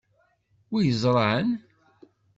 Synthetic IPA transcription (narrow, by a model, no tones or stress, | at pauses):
wijəzˤɾˤɑʕən